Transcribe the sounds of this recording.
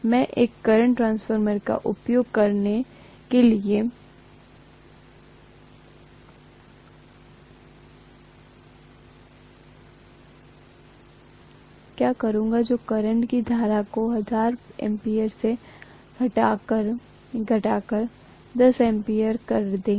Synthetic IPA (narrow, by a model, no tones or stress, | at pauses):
mɛ̃ʔeːkːɐɾə̃ɳʈʈɾãːnsfʰəɾməɾka̰ʔʊpjoːɡ̚kɐɾne | kelie | kjaːkɐɾũːŋɡad͡ʒoːkɐɾə̃ɳʈkid̪ʱaːɾakoɦɐd͡ʒaːɾɛ̰̃mpiːəɾse | ɐʈakəɾ | ɡʱɐʈaːkəɾ | d̪ɐsɛ̃mpiəɾkɐɾd̪ẽːɡ